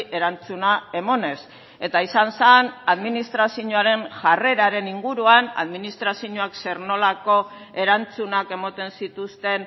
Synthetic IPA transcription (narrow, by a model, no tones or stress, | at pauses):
ʔe̞ɾant͡sunae̞mo̞ne̞s | e̞t̪aisansanaðminist̪ɾasiuɲoaɾe̞nʝare̞ɾaɾe̞niŋɡuɾuana̰ðminist̪ɾasiɲoakse̞ɾno̞lako̞ | e̞ɾant͡sunake̞mot̪e̞nsit̪ust̪e̞n